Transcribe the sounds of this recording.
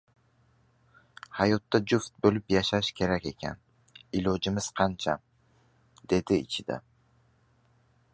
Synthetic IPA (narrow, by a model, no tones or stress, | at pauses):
hɑjot̪ːad͡ʒuft̪̚bɵlɪpjaʃaʃkʲʰe̞ɾakʲe̞kʲʰa̰n | ilod͡ʒɪmɪz̥qʰɑnt͡ʃʰa̰ | d̪̥e̞d̪ɪɪ̰t͡ʃʰɪd̪a̰